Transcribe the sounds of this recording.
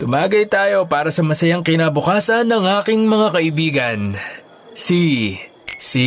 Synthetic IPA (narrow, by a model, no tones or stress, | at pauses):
t̪ʊmaːɡɐjt̪aːjo̞paːɾɐsɐmɐsɐjaŋkɪnaːbʊkaːsɐnːɐŋʔaːkɪŋmɐŋakɐʔɪbiːɡɐn | si | si